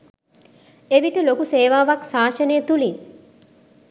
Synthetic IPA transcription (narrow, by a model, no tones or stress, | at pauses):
eʋiʈəlokuseːʋaːʋɐksaːʃɐneːt̪uliŋ